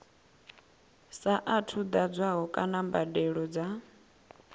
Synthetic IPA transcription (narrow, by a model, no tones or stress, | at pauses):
saʔatʰud̪ad͡zwaɦɔkʼanambadɛɺɔd͡za